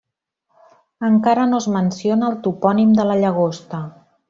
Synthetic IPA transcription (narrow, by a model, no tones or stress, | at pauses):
əŋkaɾənozmənsionəːlˠt̪upɔnimd̪ələʎəɣ̞ost̪ə